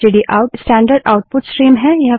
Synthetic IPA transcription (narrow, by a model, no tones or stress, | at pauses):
eɖiʔaʊʈsʈɛ̃ːɳɖəɾɖa̰ʊʈ̚pʊʈsʈɾiːmɦɛjɐɦ